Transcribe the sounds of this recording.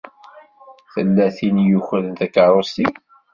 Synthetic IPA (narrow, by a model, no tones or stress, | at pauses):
θəlːæθinjuçələnt̪ækːəɾˤost̪i